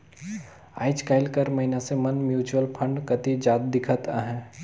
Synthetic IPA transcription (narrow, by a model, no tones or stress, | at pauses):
a̰ːɪt͡ʃkaːɪlkəɾmɐɦɪnasemɐnmjuːt͡ʃuwəlpʰə̃ɳɖkɐt̪id͡ʒaːt̪̚d̪ɪkʰət̪aːɦɛ̃ː